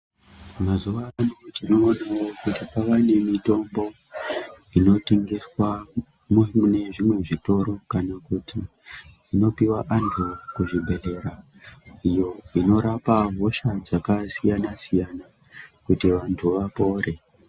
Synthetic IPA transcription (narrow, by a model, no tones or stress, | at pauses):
mazuʋaːnotino̞ːnawo̞kutipaʋane̞mito̞mbo̞ | ino̞tiŋɡiswa | mumune̞ʐimwe̞ʐito̞ɾo̞kanakuti | ino̞piwaʔand͡ɮokuʐibʱe̞le̞ɾa | ijo̞ino̞ɾapaɦo̞ʃad͡zakasijanasijana | kutiʋantʰuʋapo̞ːɾe̞